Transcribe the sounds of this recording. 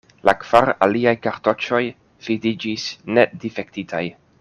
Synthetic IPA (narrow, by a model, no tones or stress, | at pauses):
lakv̥aɾaliajkaɾto̞t͡ʃo̞j | fidid͡ʒisne̞difek̚titʰaj